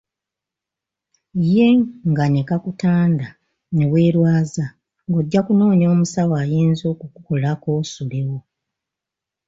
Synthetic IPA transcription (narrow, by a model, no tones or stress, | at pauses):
je̞ŋɡane̞kakutaːnda | ne̞βwe̞ːɾwaːza | ŋɡo̞ɟːakuno̞ːɲo̞ːmusawaːjeːnzo̞kukukolako̞ːsule̞wo̞